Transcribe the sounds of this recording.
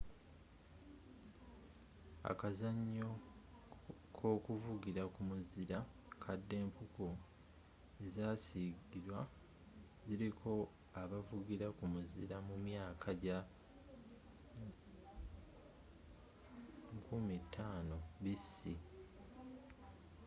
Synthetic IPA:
a̰kazaɲːo̞ | kʰo̞ːkuvuɡiɾakumuziɾa | kʰadːe̞ːmpuku | ezaːsiɡiɾwa | ziɾikʰo̞ | aβavuɡiɾakumuziɾamumjaːkʰaɟa | kʰumitʰːaːno̞βisi

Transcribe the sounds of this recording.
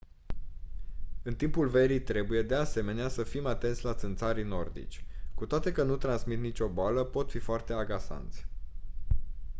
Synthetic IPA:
ɨnt̪impulve̞ɾijt̪ɾe̞buje̞d̪e̞ase̞me̞neasəfimat̪e̞nt̪sʲlat̪sɨnt̪saɾino̞rd̪ḭt͡ʃʲkut̪oat̪e̞kənut̪ɾansmit̪nit͡ʃʲo̞boaləpo̞t̪fifoart̪e̞aɡasa̰nt̪sʲ

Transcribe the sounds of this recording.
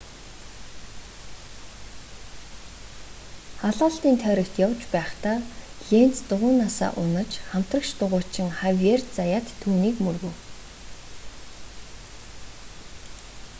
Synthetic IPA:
χaɮaːɬt̪iːnt̪ʰœːɾʲɞ̆kt̪jawt͡ɕpæːχt̪aːɮen̥t͡st̪ʊʁʊːnːasa̰ːʔʊnə̆t͡ɕχam̥t̪rə̆kʃt̪ʊʁʊːt͡ɕɪ̆ŋχawert͡sajaːt̪ʰːuːniːkmɵrɣŭw

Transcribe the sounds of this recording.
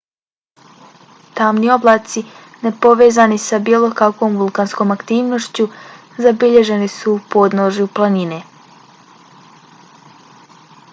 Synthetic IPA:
t̪amnio̞blˠaːt̪si | ne̞po̞ʋe̞ːzanisabilˠo̞kakʋo̞ːmʋulˠkansko̞ːmakt̪iːʋno̞ʃt͡ɕu | zabiʎe̞ʒe̞nisuːpo̞d̪noʒjuplˠanine̞

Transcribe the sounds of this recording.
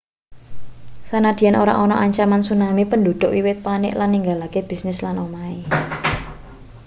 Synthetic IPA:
sanad̪̥i̤anoɾa̰ʔɔnɔʔaɲt͡ʃamansunamipəndo̤d̪̥ʊ̤ʔwiwɪt̪̚panɪ̰ʔlanːiŋɡalakeb̥i̤snɪslanomae

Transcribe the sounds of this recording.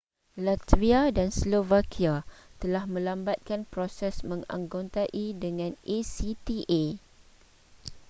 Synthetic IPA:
lat̪viadanslovakʰiat̪əlahmə̃lambat̪̚kanpɾosɛsmə̃ŋã̰ŋɡont̪aʔidəŋãnesit̪iʔe

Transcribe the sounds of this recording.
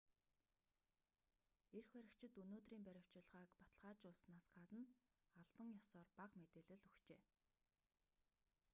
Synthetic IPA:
erxwæɾʲɪ̆kt͡ɕʰɪ̆t̪ɵnoːt̪riːmpæɾʲaw̥t͡ɕɪ̆ɮʁaːkpḁt̪ə̆ɮʁaːt͡ɕʊɮsnaːsɢat̪ə̆naɮpə̆ŋjɔsɔːrpaqmet̪eːɮɘ̆ɮɵxt͡ɕeː

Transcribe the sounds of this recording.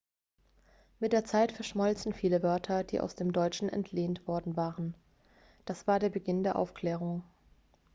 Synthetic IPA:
mɪt̚d̥eːɐt͡saɪtfɛɐʃmɔlt͡sn̩fiːləvœɐtʰɐd̥ḭːʔa̰ʊsd̥eːmdɔʏt͡ʃn̩ʔɛ̰ntʰleːntv̥ɔɐdn̩vaːʁən | d̥asv̥aːɐdeːɐbəɡɪndeːɐʔa̰ʊfkl̥ɛːʁ̞ʊŋ

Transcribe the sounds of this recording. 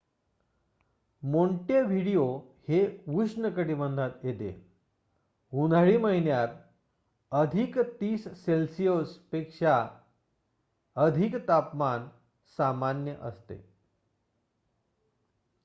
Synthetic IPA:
moɳʈeʋʱiɽijoheʋusɳəkəɽibənd̪ʱat̪jet̪ḛ | ɦunʱaɭiməɦinjaɾ | əd̪ʱikt̪iːsːelsijospekʂa | əd̪ʱikt̪apman | samanjəʔə̰st̪ḛ

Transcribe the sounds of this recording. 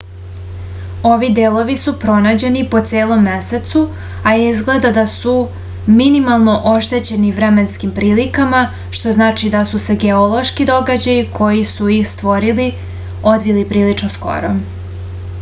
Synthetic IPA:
o̞ʋid̪eːlˠo̞ʋisupɾo̞naːd͡ʑe̞nipo̞t̪seːlˠo̞mːese̞t̪su | aizɡle̞d̪ad̪asu | minimalˠno̞ʔo̞ʃt̪e̞t͡ɕe̞niʋɾeme̞nskimpɾiːlikama | ʃt̪o̞znaːt͡ʃid̪asuse̞ɡeolˠo̞ʃkid̪o̞ɡad͡ʑajikʰo̞jisujixst̪ʋo̞ɾili | o̞d̪ʋilipɾiːlinosko̞̰ɾo

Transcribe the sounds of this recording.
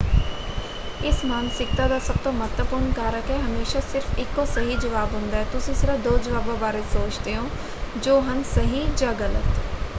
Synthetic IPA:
ɪsmaːnsɪkt̪aːd̪aːsəb̚t̪õːmət̪əpʊɾɳkaːɾəkɛːɦəmeːʃaːsɪɾfʰɪkːõːsəɦiːd͡ʒəʋaːbɦʊnd̪aːɛːt̪ʊsĩːsɪɾəd̪oːd͡ʒəʋaːbãːbaːɾeːsoːt͡ʃd̪eːɦõː | d͡ʒoːɦənsəɦiːd͡ʒaːɡələ̰t̪

